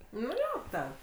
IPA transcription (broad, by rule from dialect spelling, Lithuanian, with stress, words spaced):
nʊ ˈjoː tʲɛn